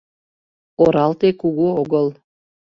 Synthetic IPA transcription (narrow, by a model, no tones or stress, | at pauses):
oɾɑlˠt̪ekuɣuoɣɤlˠ